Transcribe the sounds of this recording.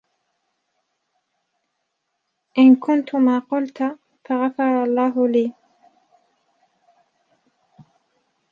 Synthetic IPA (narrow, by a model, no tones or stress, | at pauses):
ʔɪnkʊnt̪ʊmaːqʊlt̪ | faɣɑfɑɾˤɑlˤːɑːɦʊliː